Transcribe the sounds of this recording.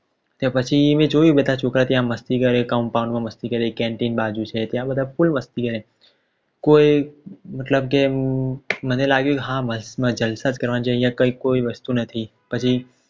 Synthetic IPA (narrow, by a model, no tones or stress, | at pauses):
t̪jãpət͡ʃʰimẽd͡ʒojũbəd̪ʱat͡ʃʰokɾat̪jãməst̪ikəɾekauɳpaũɳɖmãməst̪ikəɾekɛ̃ɳʈinbad͡ʒũt͡ʃʰet̪jãbəd̪ʱafulməst̪ikəɾẽ | koimət̪ləbke | mənelaɡjũkeɦãməsmə̃d͡ʒəlsad͡ʒkəɾʋanid͡ʒaijãkəikoiʋəst̪unət̪ʰi | pət͡ʃʰi